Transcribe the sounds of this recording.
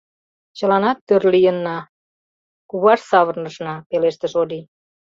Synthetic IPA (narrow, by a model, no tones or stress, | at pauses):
t͡ɕəlɑnɑt̪ːørlijənːɑ | kuβɑʃsɑβərnəʃnɑpeleʃt̪əʃod̪i